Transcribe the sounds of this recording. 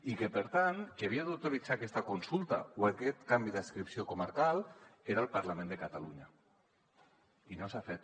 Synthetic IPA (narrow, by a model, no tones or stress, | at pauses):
ikepəɾt̪ankeβiaðawt̪oɾit͡sakɛst̪akunsulˠt̪a̰oakɛt̪kambiðəskɾipsiokumaɾkalˠeɾalˠpaɾlamẽnd̪əkat̪aluɲa | inosafet̪̚